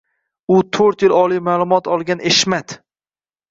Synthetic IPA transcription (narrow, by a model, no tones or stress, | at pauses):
ʊt̪ʰoɾt̪jɪlɒlˠijmalˠʊmɒt̪ʰɒlˠɡʲaneʃmad̪